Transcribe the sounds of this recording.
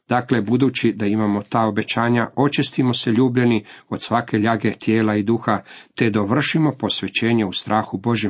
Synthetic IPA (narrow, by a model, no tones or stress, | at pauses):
d̪̥akle̞bud̪uːt͡ɕid̪aimamo̞t̪aːo̞be̞t͡ɕaːɲao̞t͡ʃist̪imo̞se̞ʎuːbʎenio̞d̪sʋake̞ʎaɡe̞t̪je̞ːlaid̪uːxat̪e̞d̪oʋr̩ʃimo̞po̞sʋe̞t͡ɕe̞ːɲeust̪ɾʔaːxubo̞ʒje